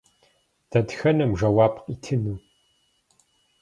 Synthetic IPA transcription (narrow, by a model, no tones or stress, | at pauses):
dʰɐdxɐnɨmʒɐwaːpqitʰɨnuː